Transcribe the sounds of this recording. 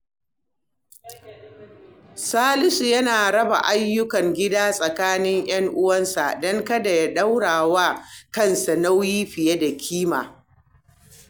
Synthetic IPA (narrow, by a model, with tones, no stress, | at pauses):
saː˦lɪ˦su˨jɐ˦naː˨ɾɐ˦ba̰˨ʔa˦jːʊ˦kɐ˨ŋɡʲɪ˦daː˦sʼɐ˨kaː˦nɪ˦ŋj̰ɐ˦ŋʔʊ˦wɐ˦nsa̰˨ʔdɔ˦ŋkɐ˦da˨ja˦ɗa˦wɽaː˨waː˦kɐ˦˨nsa˨na˦wjiː˦ɸɪ˨je˦da˨kʲʰiː˦ma̰ː˨